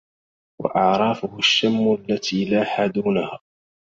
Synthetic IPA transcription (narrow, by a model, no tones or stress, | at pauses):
wa̰ʔɑʕɾˤɑːfʊhʊʃːamːʊalːat̪ʰiːlaːħaːd̪uːnahaː